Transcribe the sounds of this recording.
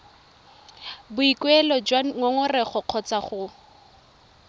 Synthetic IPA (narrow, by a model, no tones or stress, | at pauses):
bʊikwɛlɔd͡ʒwaŋɔŋʊrɛχɔq͡χʰɔt͡saχʊ